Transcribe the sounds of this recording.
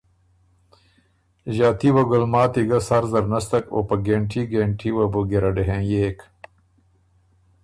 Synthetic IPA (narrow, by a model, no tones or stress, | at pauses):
ʑaːt̪iwɐɡolmaːt̪iɡɐsɐɾzɐɾnɐst̪ɐko̰pɐɡeːɳʈʰiɡeːɳʈʰiwɐboɡeɾɐɖeɦẽjeːk